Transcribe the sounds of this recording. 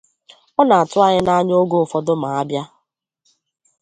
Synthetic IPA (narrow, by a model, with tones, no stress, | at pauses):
ɔ˦na˨a˨tʊ˦a˦ɲɪ˦na˦ɲ˦o˦ɡo˦˨fɔ˨dʊ˦ma˨a˦bja˦